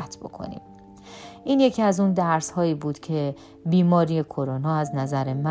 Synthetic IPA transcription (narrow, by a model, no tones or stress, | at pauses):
t̪ʰbo̞̰kʰo̰nḭːm | ʔiːnje̞cʰiæzund̪æɾshɒːiːbuːd̪̥cʰe̞ | biːmɒːɾije̞kʰo̞ɾonɒːæznæzæɾe̞mæ